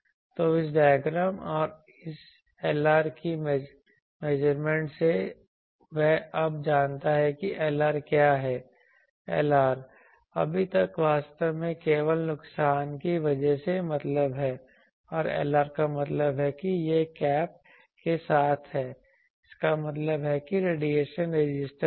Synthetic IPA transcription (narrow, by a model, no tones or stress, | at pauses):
t̪oɪs̬ɖaːjɡɾəmɔːɾ | ɪs | eːlaːɾkim | meːd͡ʒəɾmẽːɳʈse | ʋɛɦɐbd͡ʒaːnt̪aɦɛkiʔɛːlaːɾkjaːɦɛː | ɛ̰ːlaːɾ | ɐ̰bʱit̪ɐkʋaːst̪əʋmẽkeːʋəlnʊksaːnkiʋɐd͡ʒɛɦsemɐt̪ləbɦɛː | ɔːɾḛːlaːɾkamɐt̪ləbɦɛkijekɛːp̚ | kesaːt̪ʰɦɛː | ɪskamɐt̪ləbɦɛkiɾeːɖieːʃənɾed͡ʒɪsʈə